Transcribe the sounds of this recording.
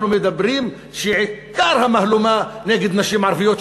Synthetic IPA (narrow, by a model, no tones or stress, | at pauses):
numed̪abʁim | ʃeʕikaɾhamahlumaneɡed̪naʃimʕaɾvijot̪